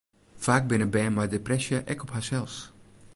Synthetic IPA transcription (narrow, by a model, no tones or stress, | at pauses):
faːk̚bɪnəbɛjmadeprɛsjəʔɛkɔpɦasɛlˠs